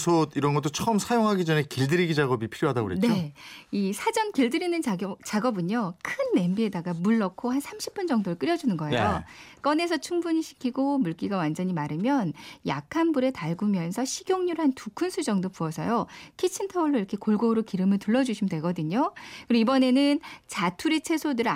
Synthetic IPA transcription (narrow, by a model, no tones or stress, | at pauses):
sʰodiɾʌnɡʌt͈ot͡ɕʰʌmsʰajoŋɦaɡid͡ʑʌne̞kiɭdɯɾiɡid͡ʑaɡʌbipʰiɾjoɦadaɡo̰ɾent͡ɕneoisʰad͡ʑʌnkiɭdɯɾinɯnt͡ɕaɡʌbɯɲokʰɯnːe̞mbie̞daɡamuɭːʌkʰohansʰamɕʰi̥p͈und͡ʑʌŋdoɾɯɭk͈ɯɾjʌd͡ʑunɯnɡʌḛjok͈ʌne̞sʰʌt͡ɕʰuŋbuɲiɕʰi̥kʰːiɡomuɭk͈iɡawand͡ʑʌɲimaɾɯmjʌnja̰kʰanbuɾe̞taɭɡumjʌnsʰʌɕʰiɡjoŋɲuɾɦantukʰunsʰud͡ʑʌŋdopuʌsʰʌ̰jokʰet͡ɕʰintʰʌuɭːoiɾʌkʰe̞koɭɡoɾokiɾɯmɯɭtuɭːʌd͡ʑuɕʰimdwe̞ɡʌdɯɲokɯɾʌibʌne̞nɯnt͡ɕatʰuɾet͡ɕʰe̞sʰodɯɾɯ